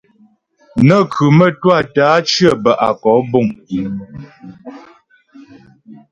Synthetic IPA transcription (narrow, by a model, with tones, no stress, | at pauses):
nə˦˨kʰʉ˨mə˦twa˦˨taː˨˦t͡ʃɰə˦˨bə˨ʔa̰˨kɔ˨˦bɔ˦˨ŋ˨